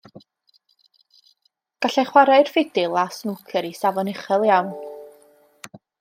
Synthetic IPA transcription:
ɡ̥aɬɛjχwaɾajrfɪd̥ɪlˠasnukʰɛɾisavɔnɪχɛlˠjawn

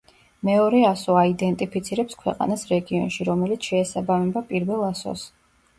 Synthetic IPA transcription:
mɛɔɾɛasɔaid̪ɛnt̪ʼipʰit̪sʰiɾɛpskʰwɛ̰qʼa̰nasɾɛɡiɔ̰nʃiɾɔmɛlit̪sʰʃɛːsabamɛbapʼiɾvɛlˠasɔ̰s

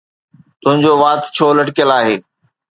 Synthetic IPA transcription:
t̪ʊɦɪ̃ɲd͡ʑoːʋaːt̪t͡ɕʰoːlɐʈkijəlaːɦeː

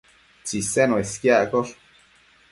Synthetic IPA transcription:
t͡sisenoeskjaʔkoɾ

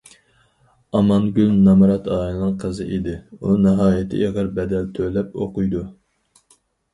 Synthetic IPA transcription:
ɑmɑnɡʲylnɑmɾɑt̪ʰɑːjnɨnɨŋqʰəzɨʔid̪ɪunɨɦɑːjɪt̪ʰɪ̰ʔeʁəɾbɛd̪ɛlt̪ʰølɛpoqʊjd̪u

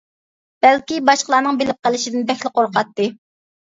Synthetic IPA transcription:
b̥ælkʲibɑʃqəlˠɑːnɨŋbelɪp̚qəlˠɪʃid̪ɪnbɛxʲlɪqoɾqɑt̪ːɨ

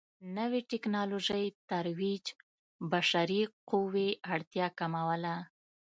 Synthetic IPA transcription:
nəwiʈɪknɑloʒəjt̪aɾwid͡ʒ | baʃaɾiquweaɽt̪jɑkamawəla

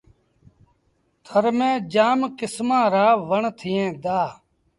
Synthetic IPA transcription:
t̪ʰəɾmẽːd͡ʒaːmkɪsmãːɾaːʋəɳt̪ʰɪjẽːd̪aː

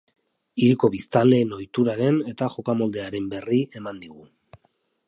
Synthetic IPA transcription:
iɾiko̞βist̪ale̞no̞jt̪uɾaɾe̞ne̞t̪aʝo̞kamo̞ld̪e̞aɾe̞mbe̞rie̞mand̪iɣ̞u

